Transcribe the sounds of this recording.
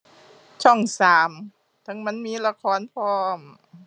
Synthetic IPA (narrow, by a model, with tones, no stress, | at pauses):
t͡ɕʰɔ˥˩ŋsaː˨˦m | t̪ʰɤ˧˦ŋma˧˥˨nmiː˧˥˨la˧kʰɔː˧˥˨npʰɔː˧˩m